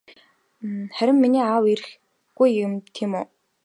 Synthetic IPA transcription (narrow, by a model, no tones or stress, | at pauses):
χæɾʲɪ̆mːiniːaːwiɾɘ̆x | ɡ̥ujɪmt̪ʰimʊː